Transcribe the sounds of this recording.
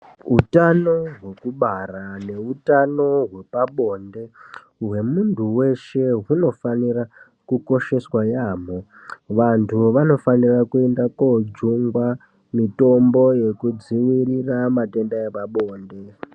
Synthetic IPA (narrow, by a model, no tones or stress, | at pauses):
ɦutano̞ɦwe̞kuɓarane̞utano̞ɦwe̞paɓo̞ːnde̞ | ɦwe̞muntʰuwe̞ʃe̞ɦuno̞fanira | kuko̞ʃe̞swajaːmo̞ | ʋantʰuʋano̞fanirakue̞ndakod͡zuŋɡwa | mito̞mbo̞je̞kud͡ziʋiriramate̞ndaepaɓo̞ːnde̞